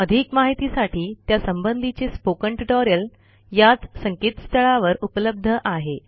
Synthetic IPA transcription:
əd̪ʱikmaɦit̪isaʈiːt̪jasəmbənd̪ʱit͡ɕespokəɳʈiʈɔɾijəl | jat͡ssəŋkiːt̪st̪əɭaʋəɾupləb̚d̪ʱəʔaɦe

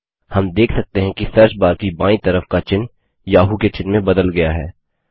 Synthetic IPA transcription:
hɐmd̪eːkʰsɐk̚t̪eɦɛ̃kisɛɾʃbaːɾkibãːĩt̪ɐɾəfkat͡ʃɪn | jaːɦuket͡ʃɪnmẽbɐd̪əlɡɐjaɦɛː

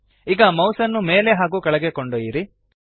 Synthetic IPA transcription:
iɡɐmɐwsɐnːume̞ːle̞ɦaːɡuːkɐɭɐɡekoɳɖojiɾi

